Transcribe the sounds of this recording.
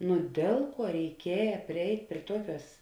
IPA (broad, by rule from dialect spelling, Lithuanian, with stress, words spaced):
nʊ ˈdʲeːlˠ ˌkuɔ rʲɛɪˈkʲiɛjɛ pʲrʲɪˈɛɪtʲ pʲrʲiɛ ˈtuɔˌkʲuɔs